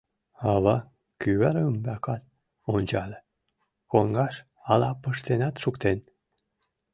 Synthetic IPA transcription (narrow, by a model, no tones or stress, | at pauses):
ɑβɑ | kyβæɾmbækɑt̪̚ | onʲt͡ɕɑle | koŋɡɑʃ | ɑlɑpəʃt̪enɑt̪ʃukt̪en